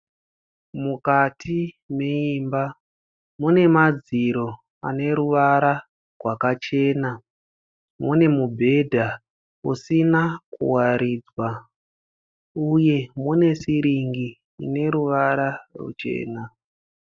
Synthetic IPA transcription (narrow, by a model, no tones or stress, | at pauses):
mukatʰi | meiːmba | mune̞mad͡ziɾo̞ | a̰ne̞ɾuʋaɾa | rwakat͡ʃe̞na | mune̞mubʱe̞dʱa | usinakṵwaɾiːd͡zwa | uje̞mune̞siɾiŋɡḭː | ne̞ɾuʋaɾarṵt͡ʃe̞̰ːna